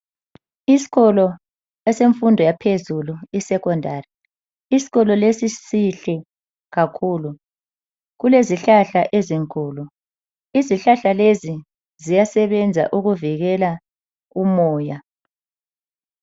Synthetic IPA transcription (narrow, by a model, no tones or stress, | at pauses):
isi̥ɣɔlɔ | ɛseɱfundʱɔjapʰezuluisɛkɔndʱaːri | isi̥ɣɔlɔlesisiɬɛ | ɣakʰuːlu | ɣuleziɬaɬaʔeziŋkʼuːlu | iziɬaɬalezi | zijasɛβɛnd͡zʱa̰ʔuɣuviɣɛla | ɣumɔːja